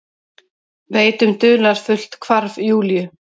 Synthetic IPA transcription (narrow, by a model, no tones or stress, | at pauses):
veːjt̪ʏmt̪ʏːlaɾ̥fʏl̥t̪kʰvaɾvjuːljʏ